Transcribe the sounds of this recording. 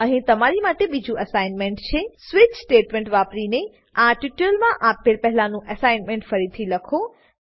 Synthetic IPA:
əɦĩt̪əmaɾimaʈebid͡ʒũʔəsainmẽɳʈt͡ʃʰesʋɪt͡ʃsʈeʈmẽɳʈʋapɾine | ãʈuʈəlmãʔapːelpɛɦlanũʔəsajnmeɳʈfəɾit̪ʰiləkʰo

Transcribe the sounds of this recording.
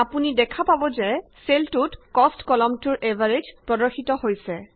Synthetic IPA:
apunidɛkʰapabɔzɛ | seltutkɔstkɔlɔmtuɹʔɛvʱaɹed͡ʒpɹɔdɔɹxitɔhojsɛ

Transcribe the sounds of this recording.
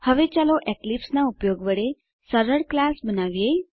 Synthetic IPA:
həʋet͡ɕaloʔɛklipsnaupjoɡʋəɽe | səɾəɽklasbənaʋjej

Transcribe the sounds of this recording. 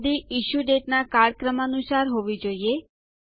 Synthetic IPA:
d̪iiʃuɖeʈnakaɽkɾəməːnusaɾɦoʋid͡ʒoie

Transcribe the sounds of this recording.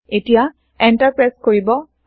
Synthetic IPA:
etija | ɛntaɹpɹaskoɹibɔ

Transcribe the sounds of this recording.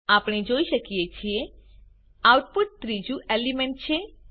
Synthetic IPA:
apɽ̃id͡ʒoiʃəkiet͡ʃʰie | awʈpuʈ̚t̪ɾid͡ʒuʔelimẽɳʈ̚t͡ʃʰe

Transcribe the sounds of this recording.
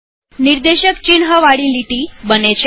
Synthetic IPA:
niɾd̪eɕəkt͡ɕinɦəʋaɽiːliʈiːbənet͡ɕ

